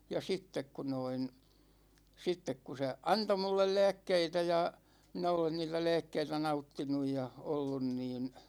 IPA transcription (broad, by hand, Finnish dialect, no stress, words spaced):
jɑ sitːek ku noin sitːek ku se ɑnto mulːel læ̝ːkːeitæ jɑ minæ olen niːtæ læ̝ːkːeitæ nɑutːinuj jɑ olːun niːn